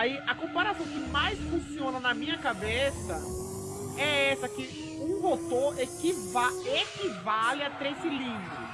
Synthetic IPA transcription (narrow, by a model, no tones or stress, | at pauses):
aiʔɐkõpaɾasɐ̃w̃kɪmajsfũsiõnɐnɐmĩɲɐkabesɐ | ɛɛsɐkɪ | ũɡot̪oɾɛkivaekivalɪat̪ɾesɪlĩdʊ